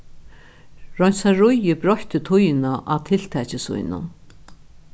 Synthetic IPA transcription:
ɹɔnʲsaɾʊjɪbɾɔht̪ʏt̪ʰʊjnaʔat̪ʰɪl̥t̪ʰɛːt͡ɕɪsvʊ̰jnʊ̰n

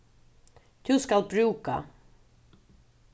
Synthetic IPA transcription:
d̪̥ɵskalbɾʉːka̰

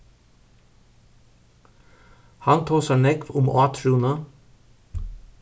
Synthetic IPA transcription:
hɑnt̪ʰoːsɑnɛkʋʊmʔɑːt̪ʰɾuːnə

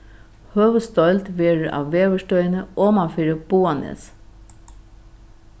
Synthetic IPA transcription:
høːʋəst̪ɔlt̪ʋeːɹəʔɑ̰ːʋʋeːʋəʂtœʏənəʔoːmɑfiːɾəb̥uːɑnḛːs

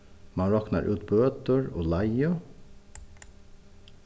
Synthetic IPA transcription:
mɑnɾɔkna̰ɹʔʉ̰ːt̪̚bøːt̪əɹo̰ːlaɪə

